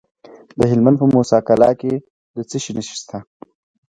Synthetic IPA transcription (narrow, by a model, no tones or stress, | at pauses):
d̪əɦɪlmand̪pəmosɑːkalɑke | d̪ət͡səʃinəʃi̥st̪ʰa